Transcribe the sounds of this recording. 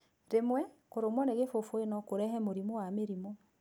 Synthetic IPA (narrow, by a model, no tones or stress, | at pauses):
ɾemwɛkoɾomwɔneɣefofoenɔkoɾɛɦɛmoɾimowameɾimo